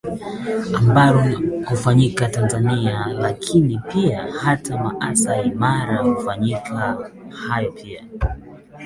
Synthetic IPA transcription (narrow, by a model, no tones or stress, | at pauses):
ambaɾɔkufaɲikatanzanialakʰinipiahatʰama̰ʔasaimaɾakufaɲikʰahajɔpʰia